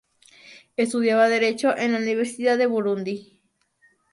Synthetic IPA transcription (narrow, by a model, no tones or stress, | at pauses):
est̪uðjaβaðeɾet͡ʃoʔẽnlauniβeɾsiðaðeβuɾund̪i